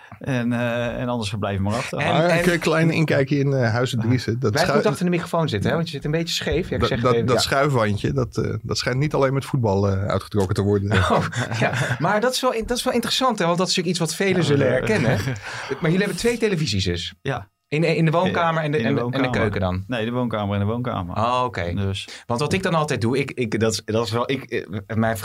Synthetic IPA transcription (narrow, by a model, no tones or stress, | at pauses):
ɛnɛ̰nɑndəsəblɛjvəmarɑχtəɛkjəklɛjnɪ̰ŋkɛjkəɪnɦœɥsədrizədɑɛjmutɑχtəɹdəmikrofownzɪtəɦɛʋɑntjəzɪtəmbejcə̥sχejfjaɪksɛχdɔsχœɥfʋɑncədɑtːdɑtsχɛjntnitɑlejnmɛtfud̚bɑlˠəœ̰ɥtχətrɔkətəʋɔɹdəojamaːɹdɑtɪsʋɛlˠɪdɔtɪ̥sʋɛlˠɪntərəsɑntɦɛʋɑntdɑtɪstyːkitsʋɑtfejləzɵləɛɹkɛnəmaɹjʏliɦɛbəntʋejtejləvizisdɵs | ɪnɪndəʋownkaːməɹɛndɛnɛndəkøɥkədɑ̰nneəʋownkaːməɹɪndəʋownka̰ːmə̰okḛjdsʋɑntʋɑtɪɡ̚dɑnɑlˠtɛjt̚duɪkɪkdɑtdɑtɪsʋɛlˠɪkmɛjn